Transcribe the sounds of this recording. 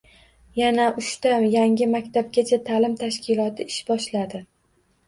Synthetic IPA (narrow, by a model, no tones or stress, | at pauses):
janaʔʊʃt̪ajaŋʲɪmakʲt̪ʰab̚ɡʲat͡ʃʰat̪ʰalɪmt̪ʰaʃkʲʰɪlˠɒt̪ʰɪɪʃbɒʃlad̪ɪ